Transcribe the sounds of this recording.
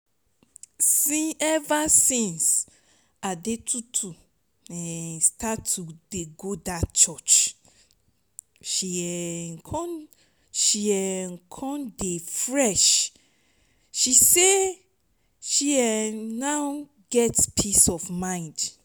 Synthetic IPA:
sĩɛvasĩns | adetʰutʰu | ɛ̃stʰatʰːudeɡodat͡ʃɔt͡ʃ | ʃiɛkʰɔ̃n | ʃiɛkʰɔ̃ndefɹɛʃ | ʃise | ʃiɛnaw | ɡɛtpʰisɔfmãɪ̃nd

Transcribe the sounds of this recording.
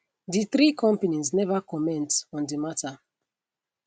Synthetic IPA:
diθɾikʰɔ̃mpenĩznɛvakɔmɛ̃ntɔ̃ndimata

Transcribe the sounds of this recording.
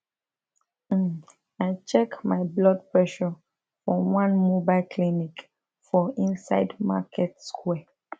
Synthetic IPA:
aɪt͡ʃɛkmaɪblɔd̚pɹɛʃɔ | fɹɔ̃wãnmubaɪlkʰlinik | fɔĩnsa̰ɪdma̰kʰɛtskʰwɛ

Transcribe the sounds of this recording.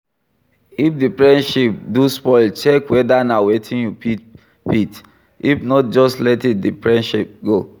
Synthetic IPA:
ifdifɹɛ̃nʃip̚duspɔɪlt͡ʃɛkwɛdanawetʰĩnjupi | pit | ifnɔt̚d͡ʒɔstlɛtit̚difɹɛ̃nʃip̚ɡo

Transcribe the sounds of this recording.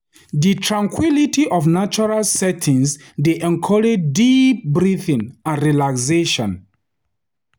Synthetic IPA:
ditʰɹãŋkʰwilitʰiʔɔfnat͡ʃɔɹalsɛtʰĩŋs | deʔɛ̃ŋkʰɔɹed͡ʒdip̚bɹiθĩŋãnɹilakseʃɔ̃n

